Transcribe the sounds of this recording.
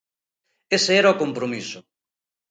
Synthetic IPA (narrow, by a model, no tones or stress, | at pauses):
eseeɾaokompɾomisʊ